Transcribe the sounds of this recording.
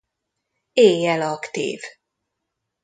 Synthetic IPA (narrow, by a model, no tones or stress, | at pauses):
eːjɛlɒkt̪ḭːv